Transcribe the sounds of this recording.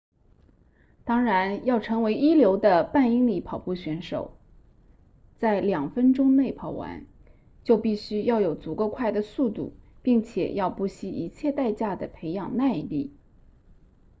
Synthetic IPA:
t̪ɑ˥ŋɻa˧˥njɑ˥˩ʊʈ͡ʂʰɤ˧˥ŋwe˧˥ɪi˥ljo˧˥ʊd̪ə˧pa˥˩ni˥ŋli˨˥pʰɑ˨˩ʊpu˥˩ɕɥɛ˧˥nʂo̰˨˩˦ʊ | t͡sa˥˩ɪljɑ˨˩ŋfə˥nʈ͡ʂʊ˥ŋne˥˩ɪpʰɑ˨˩ʊwa̰˧˥n | t͡ɕjo˥˧ʊpi˥˩ɕy˥jɑ˥˩ʊjo˨˩ʊt͡su˨˩kə˥˧kʰwa˥˩ɪd̪ə˩su˥˧t̪ṵ˥˩pi˥˩ŋt͡ɕʰjɛ̰˨˩jɑ˥˧ʊpu˥˩ɕi˥ʔi˧˥t͡ɕʰjɛ˥˧t̪a˥˧ɪt͡ɕja˥˩d̪ə˩pʰe˧˥ɪjɑ˨˩ŋna˥˧ɪ˧t̪i˥˩

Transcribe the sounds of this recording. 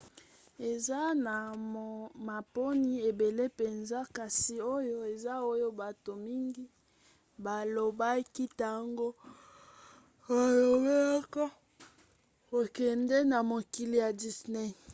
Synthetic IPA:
e˨za˦na˨ | ma˨po˦ni˦e˨be˨le˦pe˨nza˦ka˨si˨o˦jo˦e˨za˦o˦jo˦ba˨to˨mi˦ŋɡi˦ | ba˨lo˨ba˦ki˦ta˦˨ŋɡo˦ | o˦jo˨we˦kɔ˦ | o˨kɛ˨nde˦na˨mo˨ki˨li˨ja˨di˨sne˦˨

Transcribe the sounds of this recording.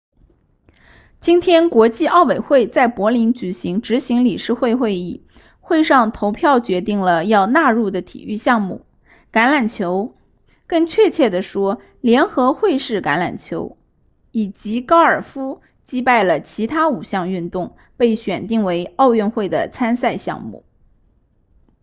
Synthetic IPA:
t͡ɕi˥nt̪ʰjɛ˥nkwɔ˧˥t͡ɕi˥˧ʔɑ˥˩ʊwe˨˩ɪxwe˥˧ɪt͡sa˥˩ɪpwɔ˧˥li˧˥nt͡ɕy˨˩ɕi˧˥ŋʈ͡ʂɻ̩˧˥ɕi˧˥ŋli˨˩ʂɻ̩˥˧xwe˥˧ɪxwe˥˧ɪi˥˩ | xwe˥˧ɪʂɑ˥˧˩ŋt̪ʰo˧˥ʊpʰjɑ˥˩ʊt͡ɕɥɛ˧˥t̪i˥˩ŋlə˩jɑ˥˧ʊna˥˧ɻu˥˩d̪ə˩t̪ʰḭ˨˩y˥˧ɕjɑ˥˧ŋmṵ˥˩ | ka˧˥nla˨˩nt͡ɕʰjo˧˥ʊ | kɤ˥˧ŋt͡ɕʰɥɛ˥˧t͡ɕʰjɛ˥˩d̪ə˩ʂwɔ˥ | ljɛ˧˥nxɤ˧˥xwe˥˧ɪʂɻ̩˥˩ka˧˥nla̰˨˩nt͡ɕʰjo˧˥ʊ | i˨˩t͡ɕi˧˥kɑ˥ʊə˞˨˩fu˥ | t͡ɕi˥pa˥˩ɪlə˩t͡ɕʰi˧˥t̪ʰa˥u˨˩ɕjɑ˥˧ŋy˥˧nt̪ʊ˥˧ŋ | pe˥˩ɪɕɥɛ˨˩nt̪i˥˩ŋwe˧˥ɪɑ˥˧ʊɥɛ˥˧nxwe˥˩ɪd̪ə̰˩t͡sʰa˥nsa˥˧ɪɕjɑ̰˥˧ŋmṵ˥˩

